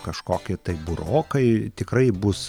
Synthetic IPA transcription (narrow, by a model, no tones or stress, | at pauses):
kɐʃkoːkʲɪt̪ɐɪbʊɾoːkɐɪt̪ʲɪkrɐɪbʊs